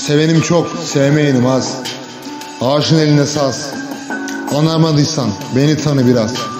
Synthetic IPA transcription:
se̞ve̞nimt͡ʃʰoksevemejinɯmaz̥ | aːʃɯne̞lʲind̪ɛsaz | anaɾmad̪ɯjsanbe̞nit̪ʰanɯbiɾaz̥

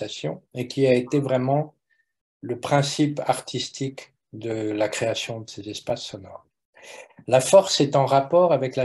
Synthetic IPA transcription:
asjɔ̰̃ekʲiaet̪evʁɛmɑ̃ | ləpχɛ̃sipaʁt̪ʰist̪ik | d̪əlakχeasjɔ̃d̪əsezɛspasːɔnɔ̰ʁ | lafɔʁsɛt̪ɑ̃ʁapɔʁavɛkla

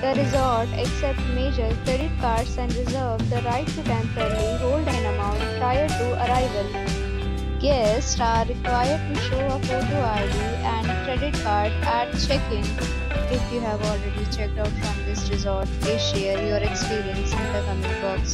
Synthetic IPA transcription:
d̪əɾɪzɔɾʈeksɛp̚ʈmeːd͡ʒəɾkɾeɖɪʈ̚kaːɾʈsɛ̃ɳɖɾɪzəɾʋd̪əɾaɪʈːuʈɛ̃mpəɾliɦoːlɖɪ̃nəmãʊ̃ɳʈpɾaɪəɾʈuʔɐɾaɪʋəl | jɛsʈaːɪkʋaɪəɾʈuʃoːəpoɾd̪oaɪɖi | ɛ̃ɳɖkɾɛɖɪʈ̚kaːɾɖæʈt͡ʃɛkɪ̃ŋ | k̪efjuɦæʋɔːlɾeɖit͡ʃɛk̚ʈaʊʈfɾɔ̃md̪ɪsɾɪzɔːɾʈeʃɛəɾjoːɾekspiːɾiə̃nsɪ̃nd̪əkʌmɪkbɔːks

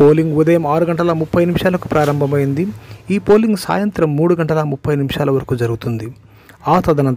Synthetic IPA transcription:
oːliŋɡud̪ɐjɐmaːɾuɡɐɳʈɐlɐmupʰːɐjnimʂaːlɐku̥pɾaːɾɐmbʱɐmɐjind̪iiːpoːliŋɡsa̰ːjɐnt̪ɾɐmːuːɽuɡɐɳʈɐlɐmupʰːɐjnimʂaːlɐʋɐɾɐkuːd͡ʒɐɾuɡut̪und̪i | aːt̪ɐd̪ɐnɐn

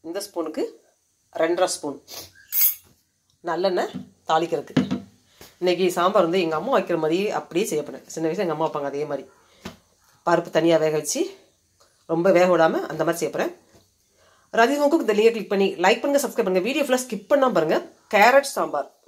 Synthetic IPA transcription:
ɪnd̪ɐspuːnɯkːɯ | ɾɛɳɖɾaspuːn | nɐlːɐnːɐt̪aːɭɪkːɪɾɯkːɯ | ɪnːek̬ːisaːmbaːɾɯnd̪ɯɛŋɡɐɐmːaʋaːɪkːɪɾɐmaːd̪ɾieʔɐ̰pːɐɽɪjeːsɛjːɐpːɐɽːɛ̰̃sɪnːɐʋɪʃjɐ̃ɛŋɡɐmːaʋaːpːaːŋɡɐðeːmaːd̪ɾi | paːɾpːɯ̥t̪ɐnɪjaːʋeːɣɐʋɛt͡ʃːɯ | ɾɔmbɐʋeːɣɐoːɽaːmɐʔɐ̰nd̪ɐmad̪ɾisɛjɐpːɐɾɛ̃ː | ɾaːd͡ʒɪmɐkːɯkːɯnd̪ɐlijɐk̬lɪk̚pɐɳːilɐɪk̚pɐɳɯŋɡɐsɐbskɾɪpɐɳɯŋɡɐʋiːɽijoːflɐskɪʈ̚pːɐnːãːpaːɾɯŋɡɐ | keːɾɛʈsaːmbaːɾ

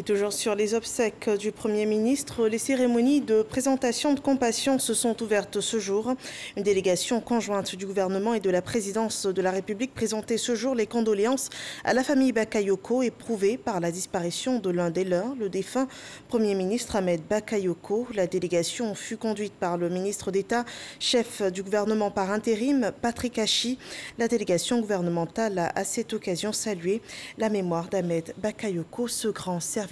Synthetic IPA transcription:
et̪uʒuʁsyʁlezɔbsɛkd̪ypχəmjeminist̪χəleseʁemɔnid̪əpχezɑ̃t̪asjɔ̃d̪əkɔ̃pasjɔ̃səsɔ̃t̪uvɛʁt̪səʒuʁynd̪eleɡasjɔ̃kɔ̃ʒwɛ̃t̪d̪yɡuvɛʁnəmɑ̃ed̪əlapχezid̪ɑ̃sd̪əlaʁepyblik̚pχezɑ̃t̪esəʒuʁlekɔ̃d̪ɔleɑ̃sa̰lafamijbakajokʰoepχuvepaʁlad̪ispaʁisjɔ̃d̪əlɛ̃d̪elœʁləd̪efɛ̃pχəmjeminist̪χamɛd̪bakajokʰolad̪eleɡasjɔ̃fykɔ̃d̪ɥit̪paʁləminist̪χəd̪et̪aʃɛfd̪yɡuvɛʁnəmɑ̃paʁɛ̃t̪eʁimpat̪χikaʃilad̪eleɡasjɔ̃ɡuvɛʁnəmɑ̃t̪alaʔasɛt̪ɔkazjɔ̃salɥelamemwaʁd̪amɛd̪bakajokosəɡʁɑ̃sɛʁvi

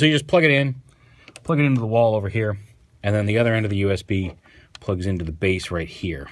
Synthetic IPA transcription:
sojɨd͡ʒʌspʰl̥ʌɡɨɾɪ̃n | pʰl̥ʌɡɨɾɪ̃ntuðəwɔlˠoʊvə˞hiɹ | ɨ̃nðɨ̃nðiʌðə˞ɛ̃ndʌvðɨjʉɛsb̥i | pʰl̥ʌɡzɪ̃ntʉðəbeɪsɹaɪt̚hiɹ

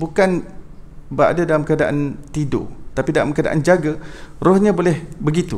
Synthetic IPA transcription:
bukan | baʔa̰dadalamkəadaʔa̰nt̪ido̰t̪apidalamkəada̰ʔa̰nd͡ʒaɡarohɲãbolɛhbəɡit̪ṵ

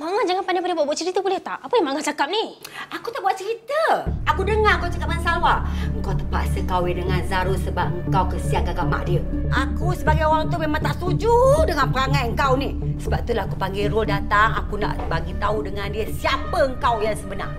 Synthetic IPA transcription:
maŋad͡ʒaŋanpandapadabuaʔbuaʔ̪t͡ʃəɾit̪əbulɛht̪aʔapəjaŋmaŋat͡ʃakap̚niakut̪aʔbuaʔ̪̚t͡ʃəɾit̪əakudəŋaŋkawt͡ʃḁkap̚ŋansawaəŋ̩kawt̪əpa̰ʔsəkawedəŋanzaɾʊsəbap̚ŋkawkəsiaʔkaɡama̰ʔdiə | ʔakusəbaɡajowaŋt̪umemaŋt̪aʔst̪ud͡ʒudəŋanpəɾaŋajəŋkawni | səbap̚t̪ulaakupaŋɡɪɾʊldat̪aŋa̰kuna̰ʔbaɡit̪audəŋandiəsiapəəŋkawjaŋsəbəna̰r

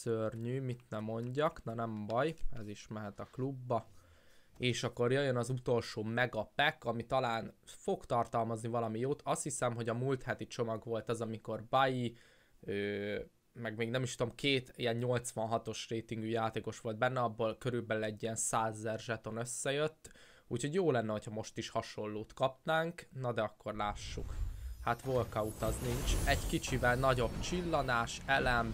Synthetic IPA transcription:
sørɲyːmit̪nɛmːo̞ɲɟɒknɒnɛmbɒjɛ̰ziʃmɛɦɛt̪ɒklubːɒ | eːʃɒkːo̞rjøjønɒzut̪o̞lʃoːmɛɡɒpɛkɒmit̪ɒlaːnfo̞ɡt̪ɒrt̪ɒlmɒznivɒlɒmijoːt̪ɒst̪hisɛmɦo̞ɟɒmult̪hɛt̪it͡ʃo̞mɒɡʋo̞lt̪ɛzɒmiko̞rbɒji | øː | mɛɡmeːɡnɛmiʃt̪ud̪omkeːt̪ijɛnɲo̞lt̪sʋɒnɦɒt̪o̞ʃreːt̪iŋɡyjaːt̪eːko̞ʃʋo̞ld̪̚bɛnːɛɒbːoːlkø̞ɾylbɛlylɛɟːiɛnsaːzːɛrʒɛt̪o̞nø̞sːɛjøt̪ː | uːcho̞ɟjoːlɛnːɛho̞cʰhɒmo̞ʃt̪iʃhɒʃo̞lːoːt̪kɒpnaːŋknɒd̪ɛɒkːo̞rlaːʃːukhat̪ʋo̞lkɒut̪ɒzniɲt͡ʃɛɟkit͡ʃivɛlnɒɟo̞bt͡ʃilːɒnaːʃɛlɛm

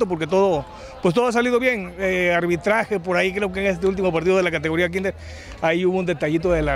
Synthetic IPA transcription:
t̪op̬oɾke̞t̪̬oðo | pwest̪o̞ðoas̬aliðo̞βje̞ŋeaɾβit̪ɾaxep̬o̞ɾaikɾe̞okeŋes̬t̪eult̪imopaɾt̪iðo̞ðelakat̪eɣo̞ɾiak̬ind̪eɾ | aiuβound̪et̪aʝit̪̬oðela

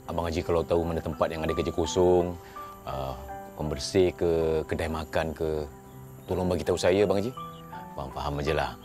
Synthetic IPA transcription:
abaŋad͡ʒikalawt̪aumanat̪əmpat̪̚jaŋadakəd͡ʒəkosɔŋ | əkɔmbərsekəkədaimakankə | t̪olɔŋbaɡit̪ausajabaŋad͡ʒi | faamfaɦamːad͡ʒəla̰

